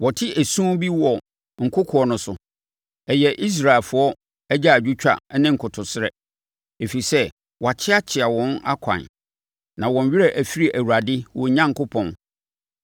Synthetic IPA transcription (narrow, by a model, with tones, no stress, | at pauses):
wɔ˨tʰɪ˦ʔæ˨sũ˦bi˦wɔ˨ | ŋ̩˨kʰʊ˦kʰʊ˨ɔ˦nʊ̃˨sʊ˨ | ɛ˨jɛ˨ʔi˦s̬ɾa˨e˨lfʊ˨ɔ˦ | æ˦d͡ʑa˦˨d͡ʑᶣu˦t͡ɕᶣa̰˨˦nɪ̃˦ŋ̩˨kʰʊ˨tʰʊ˨sɪ˦ɾɛ˨ | e˨fi˨i˨sɛ˦ | wa˨t͡ɕʰɪ˦a˦t͡ɕʰɪ˨a˨wɔ̃˦na̰˦kʷʰã̰˨n | nã˨wɔ̃˨ɲ˨ɥɪ˦ɾɛ˦ʔæ˨fi˦ɾi˨ʔæ˨wu˨ɾa˨dɪ˦wɔ̰˨˦ɲã˦ŋ˨kʊ˦pʰɔ̃˨n